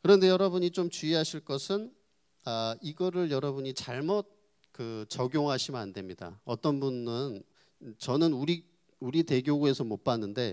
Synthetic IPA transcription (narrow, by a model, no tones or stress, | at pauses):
kɯɾʌnde̞jʌɾʌbuɲit͡ɕomt͡ɕuiɦaɕʰiɭk͈ʌsʰɯn | aiɡʌɾɯɭjʌɾʌbuɲit͡ɕaɭmʌt̚ | kɯt͡ɕʌɡjoŋɦaɕʰimɯandwe̞mɲida̰ʌt͈ʌnbunːɯn | t͡ɕʌnɯnuɾi | uɾite̞ɡjoɡue̞sʰʌmop͈anːɯnde̞